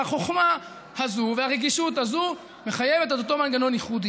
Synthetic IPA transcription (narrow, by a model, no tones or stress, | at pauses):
aχo̞χma | hazuveaʁeɡiʃut̪hazu | me̞χaje̞ve̞t̪et̪ot̪o̞manɡano̞niχud̪i